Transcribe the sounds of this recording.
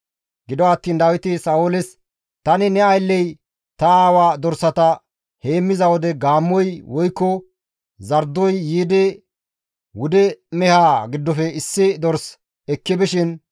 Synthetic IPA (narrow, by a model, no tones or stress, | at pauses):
ɡɪd̪ɔɐt̪ːiːnd̪aːwɪt̪ɪsɐʊlɪs | t̪ɐnɪnɛɐjlːɛj | t̪ɐaːwaːd̪ɔɾsːɐt̪ɐ | heːmːɪzɐwɔd̪ɛɡaːmːɔjwɔjkːɔ | zɐɾd̪ːɔjːiːd̪ɛ | wʊd̪ɛmɛhaːɡɪd̪ːɔfɛɪsːɪd̪ɔɾs | ɛkːɪbɪʃɪn